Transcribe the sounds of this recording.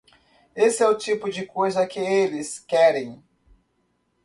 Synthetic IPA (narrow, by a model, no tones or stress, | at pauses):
esɪɛʊt͡ʃipʊd͡ʒɪkojzɐkɪelɪskɛɾẽj̃